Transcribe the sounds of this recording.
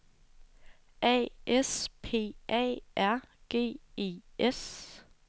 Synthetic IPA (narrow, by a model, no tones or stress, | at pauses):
ʔɛ̰ːʔespʰe̝̰ːʔɛ̰ːʔæɐ̰ɡ̥e̝̰ːe̝̰ːʔes